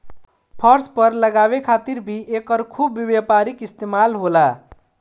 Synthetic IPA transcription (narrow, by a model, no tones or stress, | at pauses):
pʰʌɾspʌɾləɡaβekʰat̪iɾbʱiʔekʌɾkʰubːibjapaɾikist̪emalɦola